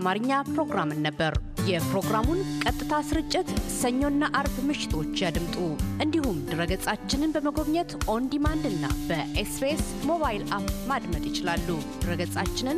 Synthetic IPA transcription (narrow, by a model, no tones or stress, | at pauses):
maɾɨɲːapɾo̞ɡɾamɨnːəbːəɾjɛpɾo̞ɡɾamunkʼət̪ʼːɨt̪ʰasɨɾɨt͡ʃʼːɪt̪səɲːo̞nːaʔaɾbmɨʃɪ̥t̪ʰo̞t͡ʃːjad̪ɨmt̪ʼuʔɨnd̪ihumd̪ɨɾəɡəsʼat͡ʃːɪnɨnbəməɡo̞βɲɛt̪ʔo̞nd̪imand̪ɨnːa̰bəʔespes | mo̞βajilapmad̪mət̪ʼjɪt͡ʃɪlalːud̪̥ɨɾəɡət͡sʼat͡ʃːɪnɨn